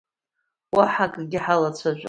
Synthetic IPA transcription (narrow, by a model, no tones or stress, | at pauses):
waħakʼɡʲɪħalat͡ɕʷʰaʒᶣʷa̰